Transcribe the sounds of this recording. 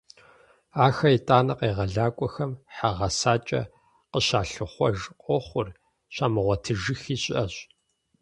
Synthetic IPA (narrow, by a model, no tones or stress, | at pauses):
aːxɐitʼaːnɐqʼeːʁɐɮaːkʷʼɔxɐmħaʁɐsaːt͡ʃʼɐ̰ | qəɕaːɬɨχʷɔ̰ʒqʷʼɔχʷʊr | ɕaːmɨʁʷɔtʰɨʒɨxiːɕʼʔɐɕ